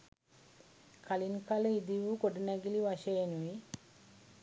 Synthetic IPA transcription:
kalinkaləid̪iʋukoɖunæɡiliʋaʃeenui

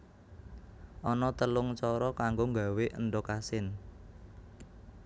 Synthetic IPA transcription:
ʔɔnɔt̪əlʊŋt͡ʃɔɾɔkaŋɡoŋɡa̤weʔə̰nɖɔkasɪn

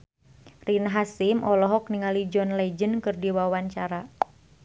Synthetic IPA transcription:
rinɦasimʔɔlɔɦɔk̚niŋalid͡ʒɔnlɛd͡ʒənkɨrdiwawaɲt͡ʃaɾa

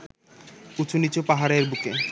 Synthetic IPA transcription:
ut͡ɕʰunit͡ɕopaɦaɾeɾbuke

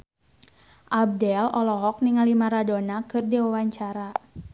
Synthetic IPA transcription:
ʔab̚dɛlɔlɔɦɔk̚niŋalimaɾadonakɨrdiwawaɲt͡ʃaɾa

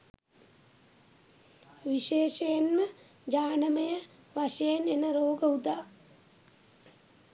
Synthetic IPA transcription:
ʋiʃeːʃejenmə | d͡ʒaːnəməjə | ʋaʃejenenəɾoːɡəud̪aː

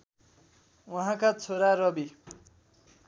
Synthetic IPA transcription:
wʌɦãkat͡sʰoɾaɾʌbi

